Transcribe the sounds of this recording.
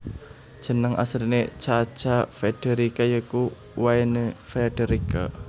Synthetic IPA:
ʒ̥ə̤nəŋa̰sɾinet͡ʃat͡ʃafɛɖ̥eɾikajəku | waenefɛɖ̥eɾika̰

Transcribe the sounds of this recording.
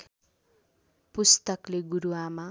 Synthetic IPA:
pust̪ʌkleɡuɾuama

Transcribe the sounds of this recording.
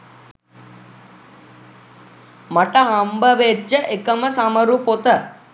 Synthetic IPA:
maʈəɦɐmbəʋed͡ʒːəʔekəməsamɐɾupot̪ə

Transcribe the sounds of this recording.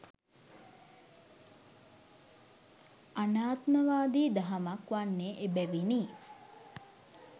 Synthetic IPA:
anaːt̪mɐʋaːd̪iːd̪ɐɦɐmɐkʋanːeʔebæʋini

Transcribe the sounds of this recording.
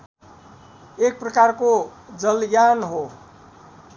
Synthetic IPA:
ek̚prʌkarkod͡zʌlɡjanɦo

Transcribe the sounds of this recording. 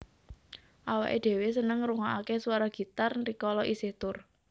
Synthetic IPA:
ʔawa̰ʔed̪̥e̤wesənəŋɾuŋaʔakesuwaɾɔɡ̥i̤t̪arnrikɔlɔʔisɪht̪ʊr

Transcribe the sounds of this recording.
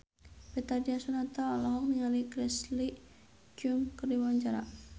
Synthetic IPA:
bɛt̪adiasunat̪aɔlɔɦɔk̚niŋalikɾɛsli | d͡ʒuŋkərdiwaɲt͡ʃaɾa̰

